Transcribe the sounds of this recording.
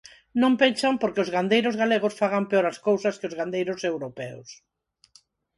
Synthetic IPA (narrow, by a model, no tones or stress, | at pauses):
nõmpensampoɾkeozɣand̪ejɾʊzɣaleɣʊsfaɣampeoɾɐskowsɐskeʊzɣand̪ejɾʊsewɾopɛo̰s